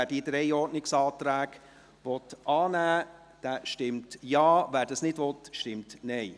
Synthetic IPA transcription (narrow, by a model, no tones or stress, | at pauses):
æːɾd̥iːdɾɛɪɔɾnɪksɑːt̪ɾæːɡ̥ | ʋɔtʔɑːnæː | d̥æʃtɪmtjɑːvæːɾdɑsnɪdʋɔtʃtɪmtnɛɪ